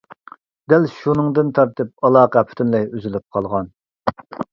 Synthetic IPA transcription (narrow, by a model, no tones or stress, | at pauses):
d̪ælʃunɨŋd̪ɨnt̪ʰɑɾt̪ɨp̚ɑlˠɑːqɑpʰy̥t̪ʰynlɛyzylyp̚qʰɑlˠʁɑn